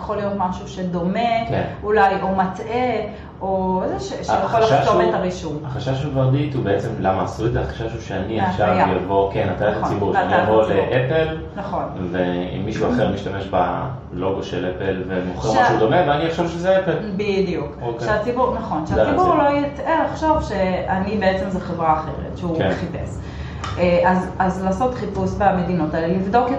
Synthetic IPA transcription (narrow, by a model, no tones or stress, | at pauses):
jaχolijot̪maʃuʃed̪o̞mekenulajomate | oezeʃeʃajaoliʃaomet̪aʁiʃumhaχaʃaʃ̬uvaʁd̪it̪hubeet͡semlamaːsuezeaχḁʃaʃuʃeaniafʃaʁjavo̞kenat̪aliχat͡sibuʁʃanijavo̞leʔepel | naχo̞nveḭmːiʃuaχeʁmiʃtame̞ʃba̰ | lo̞ɡoʃelepelvemoχeʁmʃmaʃeud̪o̞meveaniaχʃovʃezeepelbidijukokeʃeat͡sibuʁnaχo̞nʃeat͡sibuʁlojiteaχʃovʃeanibeet͡se̞mzeχevʁaːχe̞̰ʁḛtʃeuχipḛs | ʔazazlaːso̞tχipusbeamedino̞talelivdo̞ke